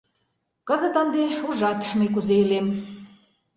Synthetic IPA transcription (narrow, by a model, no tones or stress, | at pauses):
kə̆zə̆t̪ə̆nd̪euʒɑt̪məjkuzeilem